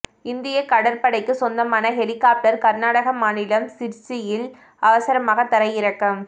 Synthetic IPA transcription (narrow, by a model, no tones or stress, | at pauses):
ɪnd̪ɪjɐkɐɽɐɾpɐɽɐɪkːɯsɔnd̪ɐmaːnɐɦɛlɪkːaːp̚ʈɐɾkɐɾnaːɽɐɣɐmaːnɪlɐmsɪɾt͡ʃːɪjɪl | ɐʋɐsɐɾɐmaːɣɐt̪ːɐɾɐjɪɾɐkːɐm